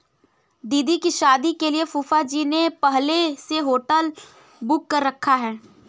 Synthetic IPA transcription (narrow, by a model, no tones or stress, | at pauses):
d̪iːd̪ikiʃaːd̪ikeliefuːfad͡ʒinepɛɦleseɦoːʈəl | bʊkːɐɾːɐkʰːaɦɛː